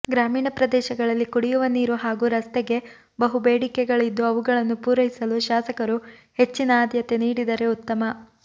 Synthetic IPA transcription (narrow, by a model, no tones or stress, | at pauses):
ɡɾaːmiːɳɐpɾɐd̪ɛːʃɐɡɐɭɐlːikuɽijuʋɐniːɾuɦaːɡuːɾɐst̪ɛɡe̞ | bɐɦubeːɽikɛɡɐɭid̪ːuɐʋuɡɐɭɐnːupuːɾɐɦisɐluʃaːsɐkɐɾuhe̞t͡ʃːinɐaːd̪jɐt̪e̞niːɽid̪ɐɾe̞ut̪ːɐmɐ